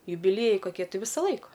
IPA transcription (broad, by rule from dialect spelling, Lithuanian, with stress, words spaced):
jʊbʲɪˈlʲiɛjɛɪ koːˈkʲiɛ ˈtʲɪ ˈʋʲɪsɐ ˈlˠɐɪkɐ